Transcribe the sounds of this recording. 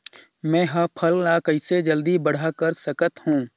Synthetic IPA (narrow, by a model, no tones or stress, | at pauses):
mɛ̃ːɦɐpʰəllakɐɪsed͡ʒəld̪ibəɽ̤akəɾsəkət̪hũː